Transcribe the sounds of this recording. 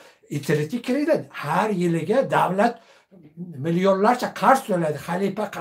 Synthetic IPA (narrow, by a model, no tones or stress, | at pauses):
ɪt̪ʰɪɾɪt̪ʲikʲʰɾid̪ɪnhaɾjɪlɪɡʲad̪awlat̪ | mɪlijonlaɾt͡ʃʰaqʰɑɾst̪ojlad̪ɪχalipaq